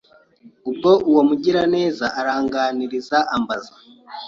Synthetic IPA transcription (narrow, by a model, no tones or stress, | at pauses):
ub̚ɡo̞ʔuwomuɟiɾane̞ːzaʔaɾaːŋɡaːniɾizaʔambaza